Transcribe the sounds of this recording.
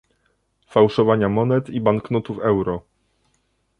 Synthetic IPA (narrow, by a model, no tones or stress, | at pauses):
fawʂɔvaɲamɔnɛt̪ibaŋknɔt̪ufɛwɾɔ